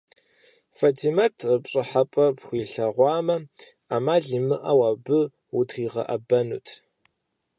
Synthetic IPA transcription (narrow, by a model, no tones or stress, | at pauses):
fatʰimatʰəpɕʼɨħapʼɐpxʷiːɬɐʁʷɑːmɐ | aːmaːɮimɨʔawaːbɨ | utʰχiːʁɐ̰ʔɐ̰bɐnṵːtʰ